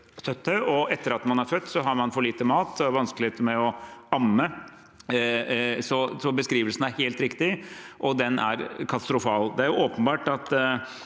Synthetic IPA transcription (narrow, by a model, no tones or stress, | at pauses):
sœt̪ʰːəʔɔɛt̪ːəɾɑt̪mɑnæɾfœt̪ːsɔɦɑɾmɑnfɔɭiːt̪əmɑːt̪ɔæʋɑnsklɪeːt̪əmɛɔɑmːə | sɔsɔbəskɾiːʋəlsən̩æɾheːlt̪ɾɪkt̪ɪʔɔd̪ɛnʔæ̰ɾkʰɑt̪ɑst̪ɾʊfɑːld̪ɛæɾjʊʔoːpənbɑːʈɑt̪